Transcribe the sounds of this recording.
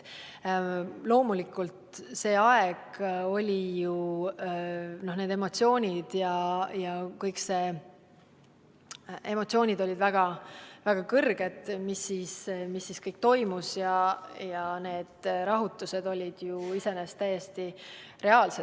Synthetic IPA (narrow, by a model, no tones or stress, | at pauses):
lo̞ːmulikːˑult̪se̞ːɑeɡ̥o̞lʲiju | no̞hneːd̪e̞mo̞t̪sio̞ːnʲid̪̥jɑjɑkɤjkse | e̞mo̞t̪sio̞ːnʲid̪̥o̞lʲid̪væɡ̥ɑvæɡ̥ɑkɤrɡ̥e̞d̪̥misːiːsmisːiskɤjk̚t̪o̞jmusjɑjɑne̞ːd̪̥ɾɑɦut̪ːˑuse̞d̪o̞lʲid̪̥juise̞nest̪ːæjːe̞st̪i | re̞ɑːlse